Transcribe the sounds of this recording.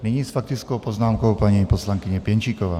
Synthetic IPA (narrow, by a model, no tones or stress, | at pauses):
niɲisfak̚t̪it͡skɔʊpɔznaːmkɔʊpaɲipɔslaŋkiɲɛpjɛnt͡ʃikɔʋa̰ː